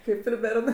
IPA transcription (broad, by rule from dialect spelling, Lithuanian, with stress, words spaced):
ˈkɐɪp ɪr ˈbʲɛrnɜ